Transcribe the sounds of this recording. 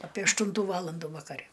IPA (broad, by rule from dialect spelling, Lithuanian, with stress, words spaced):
ɐpʲeː ɐʃˈtuːntuː ˈʋɑːlˠɐnduː ʋɐkɐˈrʲɛ